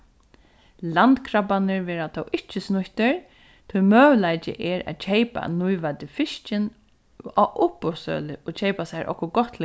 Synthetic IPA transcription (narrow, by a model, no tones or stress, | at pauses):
lant̪kʰɾapanɪɹʋɛːɾat̪ʰɔwʔɪht͡ʃːɪsnʊht̪ɪɹ | t̪ʰʊjmœːʋlajt͡ʃɪ̰ʔɛɾæ̰ːt̪t͡ʃʰejpa̰nujʋat̪ɪfɪʃt͡ʃɪn | aʔʊpːɔsœ̰ːlɪʔɔt͡ʃʰejpasaɾʔɔ̰hkːɔɡɔt̪l